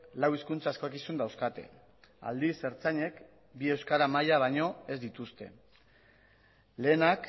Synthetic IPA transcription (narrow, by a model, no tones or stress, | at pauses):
lawiskunt͡saeskokisund̪awskat̪e̞̰ | a̰ld̪ise̞ɾt͡saɲe̞k | bie̞wskaɾamajaβ̞aɲo̞e̞zd̪it̪ust̪e̞̰ | le̞ːnak